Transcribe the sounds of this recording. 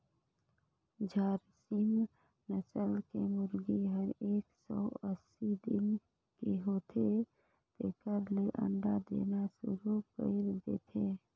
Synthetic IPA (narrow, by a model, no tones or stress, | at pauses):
d͡ʒaːɾsim | nəsəlkemʊɾɡiɦəɾeːksɔ̰ːəsid̪ɪn | keɦoːt̪ʰe | p̪eːkəɾleʔə̰̃ɳɖad̪ḛːnasʊ̰ɾukə̰ɾd̪ḛːt̪ʰeː